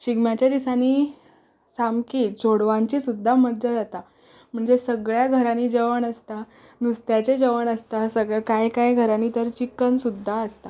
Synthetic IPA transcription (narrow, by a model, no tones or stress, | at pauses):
t͡ɕiɡmjat͡ɕjad̪isaniː | samkiːd͡zʰoɽʋãɲt͡ɕiːsud̪ʱːaməɾd͡ʑad͡zat̪a | m̤əɳd͡zesəɡɭjaɡʱəɾaniːd͡ʑəʋəɳəst̪a | nust̪jat͡ɕed͡ʑəʋəɳəst̪asəɡɭəkajkajɡʱəɾaniːt̪əɾt͡ɕikːənsud̪ʱːaəst̪a